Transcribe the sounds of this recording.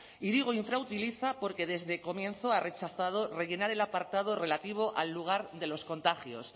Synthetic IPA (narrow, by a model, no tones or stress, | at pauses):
iɾiɣ̞oiɱfɾawt̪iliθapo̞ɾke̞ðe̞zðe̞ko̞mjẽ̞nθo̞are̞t͡ʃaθað̞o̞re̞ʝe̞naɾe̞lapaɾt̪að̞o̞re̞lat̪iβ̞o̞ʔalːuɣ̞aɾðe̞lo̞sko̞nt̪aχjo̞̰s